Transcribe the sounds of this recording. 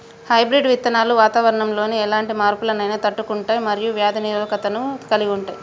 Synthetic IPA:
hɐjbɾiɖʋit̪ːɐnaːluʋaːt̪aːʋɐɾɐɳɐmlo̞ːneɛlaːɳʈimaːɾpulɐnɐjnɐt̪ɐʈːukuɳʈaːjimɐɾijuʋjaːd̪ɐniɾʋɐkɐt̪ɐnukɐliɡuɳʈaːji

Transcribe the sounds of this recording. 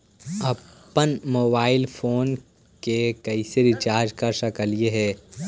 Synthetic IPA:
ɐpənmoːbaːɪlfʰoːn | kekɐiseɾɪt͡ʃaːɾd͡ʒkaɾʃɐkəlieɦɛː

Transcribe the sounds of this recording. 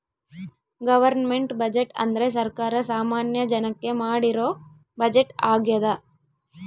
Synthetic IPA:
ɡɐʋɐɾnmeɳʈbɐd͡ʒeʈɐ̰nd̪ɐɾe̞s̬ɐɾkaːɾɐsaːmaːnjɐd͡ʒɐnɐkːe̞maːɽiɾoː | bɐd͡ʒeʈaːɡjɐd̪ɐ

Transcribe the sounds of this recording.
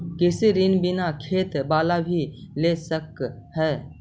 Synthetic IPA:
kɪsiɾinbɪnakʰeːt̪baːlabʱilesəkhɛː

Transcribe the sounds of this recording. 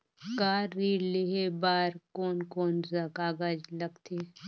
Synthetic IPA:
kaːɾːiːɽleɦebaːɾkoːnkoːnzakaːɡad͡ʒlɐɡt̪ʰeː

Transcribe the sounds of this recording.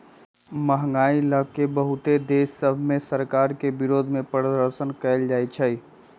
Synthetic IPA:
məɦŋɡailəkːebəɦut̪ed̪esːəbʱmẽsəɾkaɾkebiɾod̪ʱmẽpɾəɾəd̪əɾsənkəɪld͡ʒajt͡ʃʰəj

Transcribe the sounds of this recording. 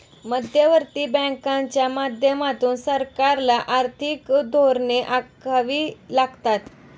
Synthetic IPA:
məd̪ʱjəʋəɾt̪iːbə̃kãɲt͡ɕjamad̪ʱjəmat̪ʰuːnsəɾkaɾlaʔaɾt̪ʰikd̪ʱoɾneʔakʋiːlaɡt̪at̪

